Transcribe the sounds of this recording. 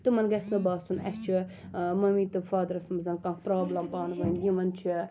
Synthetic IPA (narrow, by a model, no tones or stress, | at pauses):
t̪ɨmɐnɡɐsnɨbaːsunɐ̰st͡ʃʰi | mɐmiːt̪ɨfaːd̪ɐɾɐsmɐzɐnkãːŋkpɾoːblɐmpaːnʋɐnjʲĩʋɐnt͡ʃʰi